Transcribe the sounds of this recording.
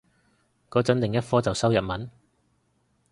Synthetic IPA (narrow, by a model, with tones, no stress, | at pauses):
kɔː˨˥t͡sɐ˨˥nlɪ˨ŋjɐ˥t̚fɔː˥t͡sɐ˨wsɐ˥wjɐ˨t̚mɐ˨˥n